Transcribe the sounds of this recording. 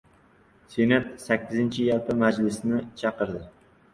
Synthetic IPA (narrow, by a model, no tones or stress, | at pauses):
senat̪sakʲʰːɪzɪnt͡ʃʰɪjalpʰamad͡ʒlɪsnɪt͡ʃʰɑqɨɾd̪ɪ